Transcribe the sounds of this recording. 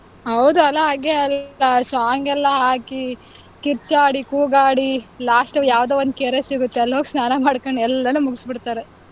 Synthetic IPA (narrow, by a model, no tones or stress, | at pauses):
ɦɐwd̪uɐlːɐɦaːɡeɐlɐsaːŋɡɛlːɐɦaːki | kiɾt͡ʃaːɽikuːɡaːɽilaːsʈɐʋjaːʋd̪eːond̪̚keːɾesiɡut̪ːeɐlːɦoːɡsnaːnɐmaːɽkoɳɛlːɐnuːmuɡsbiɽt̪aːɾe